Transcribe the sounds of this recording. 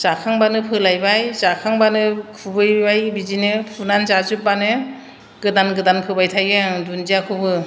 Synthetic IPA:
zakʰaŋbanɯpʰɯlajbajzakʰaŋbanɯkʰubɯjbajbizinɯpʰunanzazɯp̚banɯ | ɡ̥ɯdanɡɯdanpʰɯbajtʰajɡadund͡ʒijakʰɯbɯ

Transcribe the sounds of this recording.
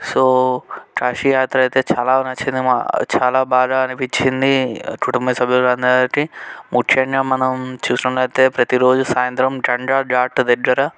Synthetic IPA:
soːʈɾaːʃijaːt̪ɾɐɐjt̪e̞ːt͡ʃaːlaːunɐt͡ʃːind̪ima̰t͡ʃaːlaːbaːɡaɐnipit͡ʃːind̪ikuʈumbɐsɐbʱijulɾɐnd̪ʈimukʰjɐɳjamɐnɐmt͡ʃuːsnɐʈlɐjt̪e̞ːpɾɐt̪iɾo̞ːd͡ʒusaːjɐnt̪ɾɐmɖɐɳɖaːɾɖaːʈd̪iɡɐɾɐ

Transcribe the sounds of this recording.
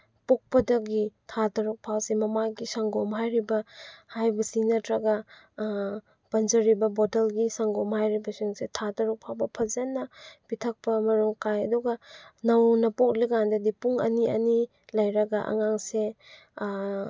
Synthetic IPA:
pok̚pɐdɐɡitʰatɐɾuk̚pʰawsemɐmaɡisɐŋɡɔmɦajɾibɐhajbɐsinɐtɾɐɡɐ | pɐnzɐɾibɐbɔtelɡisɐŋɡɔmhajɾibɐsiŋsetʰatɐɾuk̚pʰawbɐpʰɐzɐnːɐpitʰɐk̚pɐmɐɾuŋkajɐ̰duɡɐnɐwnɐpok̚liɡandɐdipuŋɐ̰niʔɐ̰ni | lɐjɾɐɡɐʔɐ̰ŋaŋse

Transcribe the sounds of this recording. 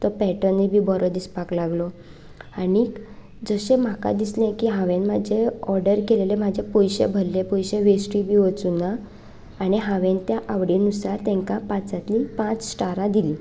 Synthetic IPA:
t̪ɔpɛʈənibʱiːbɔɾɔd̪ispaklaɡlɔ | ani | d͡zəɕẽm̤aka̰d̪islẽkiːɦãʋẽnmad͡ʑʱeɔɾɖəɾkelelemad͡ʑʱepojɕḛbʱəlːepɔjɕeʋesʈɾibʱiːʋət͡sunaː | ɽ̃iɦãʋẽnt̪jaʔaʋɽinusaɾt̪ɛ̃ŋkapãt͡sat̪lipãt͡ssʈaɾãd̪iliː

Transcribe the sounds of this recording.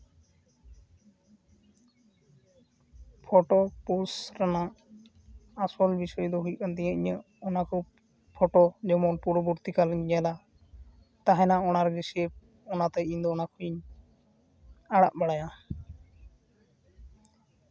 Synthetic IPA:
pʰɔʈɔpusɾana | swɔlbisɔjɔd̪ɔɦuj̚kant̪ɛɲə̃ʔiɲə | ɔnakɔ | pʰɔʈɔd͡ʒɔmɔnpuɾɔbɔɾt̪ikalɲɡɛla | t̪aɦɛ̃naɔnaɾɡisiep̚ | ɔnat̪ɛind̪ɔːnakuiɲ | aɽaʔbaɽaja

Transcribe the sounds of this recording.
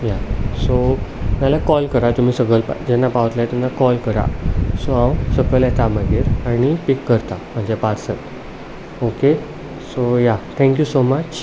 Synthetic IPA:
jasomjalakɔlkəɾat̪um̤iːsəɡɭəlpd͡ʑɛnːapaʋət̪laɛt̪ənaakɔlkəɾa̰soãwsəɡəlɛt̪aməɡeɾaɽ̃ipikːəɾt̪am̤əɳd͡ʑapaɾsət | oke | sojat̪ʰɛ̃ŋkjusomət͡ɕ

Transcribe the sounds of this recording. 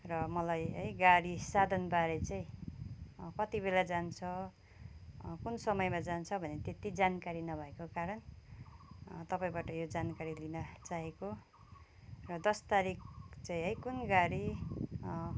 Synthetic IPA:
rʌmʌlajɦʌjɡaɽisad̪ʱʌnbaɾet͡saĩ | kʌt̪ibelad͡zant͡sʰʌ | kunsʌmʌjmad͡zant͡sʰʌbʱʌnet̪et̪id͡zankaɾinʌbʱʌekokaɾʌn | t̪ʌpaĩbaʈʌjod͡zankaɾilinʌt͡saɦeko | rʌd̪ʌst̪aɾik̚t͡saĩɦʌjkunɡaɾi

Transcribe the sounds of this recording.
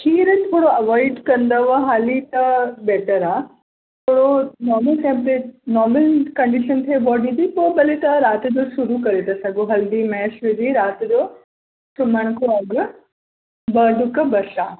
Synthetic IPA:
kʰiːɾt̪ʰoːɽoɐʋɔːɪɖkɐ̃nd̪əʋɐɦaːlit̪ɐbɛːʈəɾaː | t̪ʰoːɽonɔːɾməlkɛ̃mpʈenɔːɾməlkɐ̃ɳɖiʃənt̪ʰebɔːɖĩd̪ipobɐlet̪aɾaːt̪d͡ʑosʊɾukɐɾet̪ɐsɐɡoɦɐld̪imɛːʃʋɪd̪iɾaːt̪d͡ʑoː | sʊməɽ̃kʰoãːɡə | bɐɖʊkɐbɐsaː

